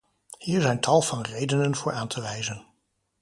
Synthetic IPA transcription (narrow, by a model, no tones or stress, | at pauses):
hiːɹzɛjntʰɑlˠv̥ɑnrejdənənvʊːɹʔaːntʰəʋɛjzən